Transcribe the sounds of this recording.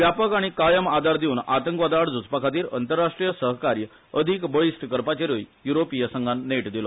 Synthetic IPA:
ʋjapəkaɽ̃ikajəmad̪ʱaɾd̪euːna̰t̪əŋkʋad̪aɽd͡zud͡zpəkʰat̪̬iːɾənt̪əɾːaʂʈɾijəsəɦkaɾjə | əd̪ʱikbəɭisʈkəɾpat͡ɕeɾojjuɾopijəsəŋɡʱanːeʈd̪ilo

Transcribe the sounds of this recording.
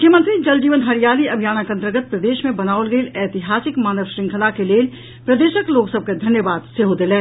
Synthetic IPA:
ʊkʰjəmə̃nt̪ɾid͡ʒɐld͡ʒiːʋənɦaɾijaːliɐbʱijaːnakə̃nt̪ɾəɡət̪̚pɾəd̪eːʃmẽbɐnaːolɡeːlɛːt̪ɪɦaːsɪkmaːnəʋʃɾɪ̃ŋkʰəlakeleːl | pɾəd̪eːʃəkloːksəb̚ked̪ʱɐnjəbaːd̪seɦod̪elɛ̃ː

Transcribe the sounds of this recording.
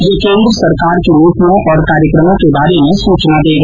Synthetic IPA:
jekẽːnd̪ɾəsɐɾkaːɾkejuːʈnõʔɔːɾkaːɾjəkɾəmõkebaːɾemẽsuːt͡ʃnad̪eːɡa

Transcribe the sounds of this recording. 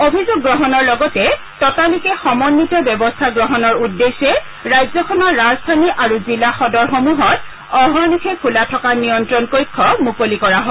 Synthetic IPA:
obʱizʊɡːɹɔɦɔnɔɹlɔɡɔtɛ | tɔtalikɛxɔmɔnːitɔbjɔbɔstʰaɡɹɔɦɔnɔɹudːesɛ | ɹajzɔkʰɔnɔɹːazdʱaniʔaɹuzilaxɔdɔɹxomuɦɔt | ɔɦɔnikʰɛkʰulatʰɔkanijɔntɹɔnkojkʰːɔmukolikɔɹaɦɔ

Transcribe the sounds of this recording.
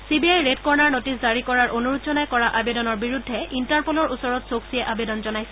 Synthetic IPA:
sibiajɹetkɔɹnaɹnotiszaɹikɔɹaɹʔonuɹutzɔnajkɔɹaʔabedɔnɔɹbiɹudʱːɛintaɹpolɔɹusɔɹɔtsoksiɛʔabedɔnzɔnajsɛ

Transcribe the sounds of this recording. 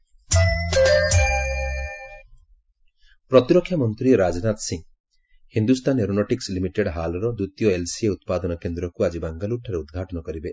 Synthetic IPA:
pɾɔt̪iɾɔkʰːjamɔnt̪ɾiɾad͡ʒnat̪siŋ | hind̪ust̪ʰaneɾunɔʈikslimiʈeɽɦalɔɾɔd̪ut̪jɔelsieut̪̚pad̪ɔnɔkend̪ɾɔkuad͡ʒibaŋɡaluʈʰaɾeud̪ɡʱaʈɔnɔkɔɾibe

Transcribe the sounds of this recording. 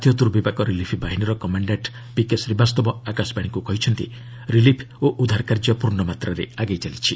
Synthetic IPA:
t̪ʰjɔt̪uɾbibakɔɾilipʰbaɦiniɾɔkɔmaɳɖaʈ | pikesɾebast̪ɔbɔakasbaɽ̃ikukɔɦit͡ʃʰɔnt̪ḭ | ɾilipʰ | oʔud̪ʱaɾkaɾd͡ʒɔpuɾɳɔmat̪ɾaɾḛaɡajt͡ʃalit͡ʃʰi

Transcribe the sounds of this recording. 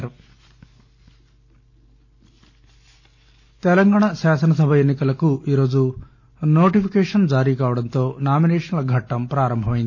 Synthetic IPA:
ɾ | t̪ɛlɐŋɡaːɳasaːsɐnɐs̬ɐbʱɐenːikɐlɐkuʔiːɾo̞ːd͡ʒu | no̞ːʈipʰikɛːʂɐnd͡ʒaːɾiːkaːʋɐɽɐnt̪o̞ːnaːminɛːʂɐnlɐɡʱɐʈːɐmpɾaːɾɐmbʱɐmɐjind̪i

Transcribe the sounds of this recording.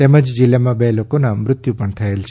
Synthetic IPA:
t̪eməd͡ʒd͡ʒilamãbelokonamɾʊt̪jupəɳt̪ʰəelt͡ʃʰ

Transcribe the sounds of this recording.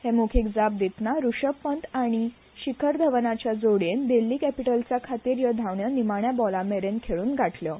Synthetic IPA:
hemukʰikd͡zap̚d̪it̪naɾuʂəpːənt̪aɽ̃i | ɕikʰəɾd̪ʱəʋnat͡ɕjad͡zoɽend̪elːiːkɛpiʈəlt͡sakʰat̪iːɾjəd̪ʱaʋɳjənimaɽ̃ɳjabɔlameɾenkʰeɭuːnɡʱaʈʰljə

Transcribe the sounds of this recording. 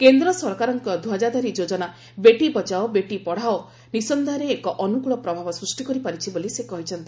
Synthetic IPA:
kend̪ɾɔsɔɾkaɾɔŋkɔd̪ʱwad͡ʒad̪ɔɾid͡ʒod͡ʒɔna | beʈibɔt͡ʃaobeʈipɔɽ̤ao | nisɔnd̪aɾeːkɔʔɔnukuɭɔpɾɔbʱabɔsɾusʈikɔɾipaɾit͡ʃʰibolisekɔɦit͡ʃʰɔnt̪i̥

